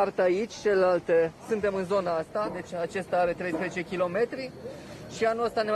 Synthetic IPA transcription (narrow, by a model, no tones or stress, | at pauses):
art̪əait͡ʃʲt͡ʃe̞lelalt̪esɨnt̪emɨnzo̞naast̪ad̪e̞t͡ʃʲat͡ʃe̞st̪aaɾe̞t̪ɾe̞jspɾezet͡ʃe̞kʲilo̞me̞t̪ɾi | ʃianuəst̪ane